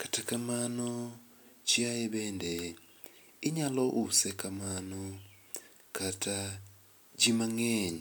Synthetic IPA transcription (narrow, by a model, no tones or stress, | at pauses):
katakamano | t͡ʃjajeβeːnde | iɲaloʔusekamano | katʰa | ɟimaŋeɲe